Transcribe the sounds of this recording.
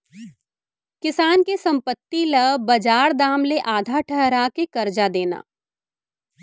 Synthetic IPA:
kɪsaːnkesɐ̃mpət̪ːilɐbɐd͡ʒaːɾd̪aːmleʔaːd̪ʱaʈʰɛɦɾakekɐɾd͡ʒad̪eːna̰ː

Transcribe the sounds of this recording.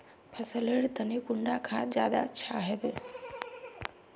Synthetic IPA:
pʰɐsəleɽt̪ənikʊɳɖakʰaːd͡ʒjaːd̪a̰ətːʃʰaɦɛbe

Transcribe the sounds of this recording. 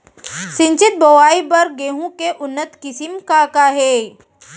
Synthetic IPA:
sɪ̃ɲt͡ʃɪt̪̚bowaːibɐɾɡeːɦũkeʔʊnːət̪kɪsɪmkakaɦeː

